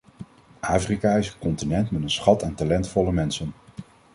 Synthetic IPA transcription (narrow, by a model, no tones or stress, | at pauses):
ʔaːfrikaːɪsəkɔntinɛntmɛtənsχɑtantalɛntfɔləmɛnsən